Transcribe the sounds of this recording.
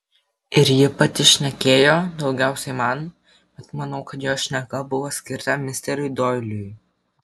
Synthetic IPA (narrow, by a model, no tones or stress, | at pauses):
ɪɾjɪpɐt̪ʲɪʃʲnʲɛkʲeːjoːd̪ɒʊɡʲæˑʊsʲɛɪmɐn | bʲɛt̪mɐnɐʊkɐt̪joːʃʲnʲɛɡɐbʊʋoːsʲkʲɪɾt̪ɐmʲɪsʲt̪ʲɛɾʲʊɪd̪oɪlʲʊj